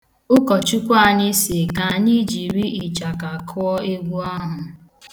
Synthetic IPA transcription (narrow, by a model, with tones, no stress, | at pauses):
ʊ˦kɔ˨t͡ʃu˦kʷa˦˨ɲɪ˦se˨ka˨ɲi˦d͡ʒi˨ɾi˦ʔi˨t͡ʃa˨ka˨kʰɔ˦ɔ˦e˦ɡʷu˦a˦ɦʊ˨